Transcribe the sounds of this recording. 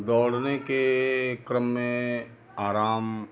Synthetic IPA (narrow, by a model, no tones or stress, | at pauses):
d̪ɔːɽnekekɾəmːẽ | aːɾaːm